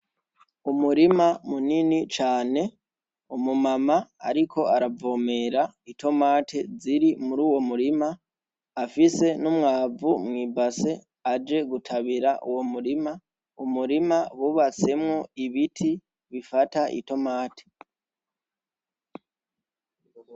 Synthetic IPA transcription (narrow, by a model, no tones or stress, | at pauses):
umuɾimamuninit͡ʃaːne̞ | umumamaa̰ɾikʰo̞aɾavo̞ːme̞ɾaito̞maːtʰeziɾimuɾuːwo̞muɾimaː | fise̞numŋaːvumŋiːbase̞ | ad͡ʒe̞ɡutʰaβiɾaʔuwo̞muɾima | umuɾimaβuβat͡se̞mŋo̞iβitʰi | βifataʔḭto̞maːtʰe̥